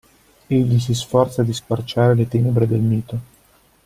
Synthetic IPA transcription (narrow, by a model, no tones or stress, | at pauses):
eʎːis̬isfɔrt̪sad̪iskart͡ʃaːɾelet̪ɛːnebɾed̪elmiːt̪o